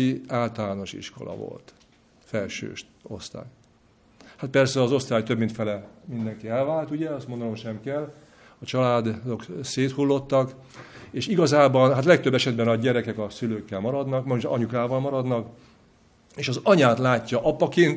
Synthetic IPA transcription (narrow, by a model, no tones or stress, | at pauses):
iaːlt̪ɒlaːno̞ʃḭʃko̞̰lɒ̰vo̰lt̪ | fɛlʃø̰ːʃ | o̞̰st̪a̰ːj | hat̪̚pɛrsɛɒzo̞st̪aːjt̪øbmint̪fɛlɛmind̪ɛŋkiɛlvaːlt̪uɟɛɒst̪mond̪ɒno̞mʃɛmkɛlː | ɒt͡ʃɒlaːd̪d̪o̞kseːt̪hulːo̞t̪ːɒk | eːʃiɡɒzaːbɒnɦat̪lɛk̚t̪øbːɛʃɛd̪bɛnɒɟɛɾɛkɛkɒsyløːkːɛlmɒɾɒd̪nɒkmɒɲukaːvɒlmɒɾɒd̪nɒk | eːʃɒzɒɲaːt̪laːcːɒʔɒpɒkeːnt̪